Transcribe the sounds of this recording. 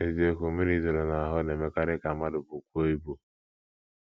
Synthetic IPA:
e˨ze˦ko˨mi˦ɾi˦zo˨ɾo˨na˨a˨ɦʊ˦ne˨me˦ka˦ɾɪ˦ka˨ma˦dʊ˨bu˨kʷu˦o˦i˦bu˦

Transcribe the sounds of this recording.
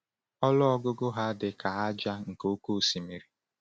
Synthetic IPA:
ɔ˦lʊ˦ɔ˦ɡʊ˦ɡʊ˦ɦa˦dɪ˨ka˨a˦d͡ʒa˦ŋ̩˨ko˦ku˦˨si˨mi˨ɾi˨

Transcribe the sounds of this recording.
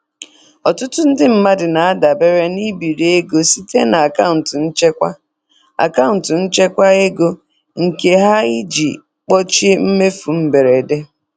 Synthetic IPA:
ɔ˨tʊ˦tʊ˦n̩˦dɪ˦m̩˦ma˦dɪ˨na˨a˦da˨be˦ɾe˦ni˦bi˨ɾe˦ɡo˦si˦te˦na˨a˨ka˦ʊ˨n̩˨tʊ˨n̩˦t͡ʃe˦kʷa˦ | a̰˨ka˦ʊ˨n̩˨tʊ˨n̩˦t͡ʃe˦kʷa˦e˦ɡo˦ | ŋ̩˨ke˨ɦa˦i˦d͡ʒi˨ | k͡pɔ˦t͡ʃm̩˦me˦fu˨m̩˦be˨ɾe˨de˦

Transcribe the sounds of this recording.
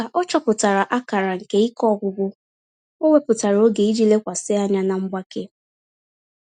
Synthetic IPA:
a˨ʔɔ˦t͡ʃɔ˦pʊ˨ta˨ɾa˨ʔa˦ka˨ɾa˨ŋ̩˨ke˦i˦kɔ˦ɡʷʊ˦bʊ˦ | o˦ŋʷe˦pʊ˨ta˨ɾo˦ɡe˨i˦d͡ʒi˦le˦kʷa˨sɪ˦a˦ɲa˦na˨m̩˦ɡ͡ba˦ke˦

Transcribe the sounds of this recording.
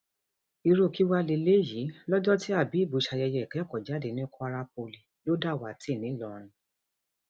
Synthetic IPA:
i˧ɾo˦˨ki˨˦wa˦le˧le˦ji˨˦lɔ˦d͡ʒɔ˦ti˦a˦˨bi˨˦˨bu˨˧˦ʃa˧jɛ˧jɛ˧ɛ˨kɛ˨˦˨kɔ˨d͡ʒa˨˦de˨nĩ˦kʰɔ˦a˧ɾa˧p̚o˧li˧˨jo˦da˦˨wa˨ti˦˨nĩ˨˦˨lɔ˨ɾ̃ĩ˧˦

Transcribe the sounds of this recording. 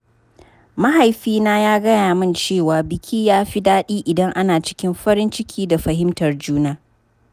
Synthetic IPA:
mɐ˦ɦa˨jɸiː˦naː˦jaː˦ɡɐ˦jaː˨mɪ˦nt͡ʃeː˦˨waː˨bɪ˨kʲʰiː˦jaː˦ɸi˦daː˦ɗiː˦ʔɪ˨dɐ˦ŋʔa˦naː˨t͡ʃɪ̥˦kʲɪ˦mɸɐ˦ɾɪ˦nt͡ʃɪ˦kʲʰiː˦da˨ɸɐ˨ɦɪ˦mtɐ˨rd͡ʒuː˦naː˦

